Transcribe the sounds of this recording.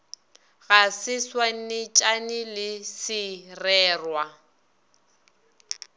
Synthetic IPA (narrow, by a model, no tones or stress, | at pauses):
ɣasɪswaŋ̩nɪt͡ʃʼanɪlɪsɪrɛːrwa